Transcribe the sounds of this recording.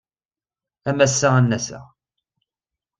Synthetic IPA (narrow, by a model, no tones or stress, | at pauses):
æmæsːəʁænːæsə̰ʁ